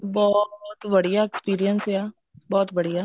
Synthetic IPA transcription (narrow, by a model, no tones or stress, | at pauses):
bɔːt̪ʋɐɽijaekspiːɾijənseaː | bɔːt̪bɐɽijaː